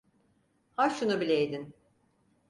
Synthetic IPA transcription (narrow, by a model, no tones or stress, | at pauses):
haʃunubilʲejd̪in